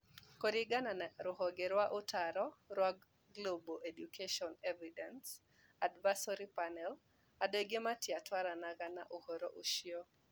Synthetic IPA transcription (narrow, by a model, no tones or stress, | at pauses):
koɾɪɡanaɾʊɦɔɡeɾwaʔʊtaɾɔɾwa | ɡloboʔedukʰeʃɔnevidɛns | advasɔɾipanɛl | adoɡɪmatjatwaɾanaɡana̰ʔohoɾoʔoʃjo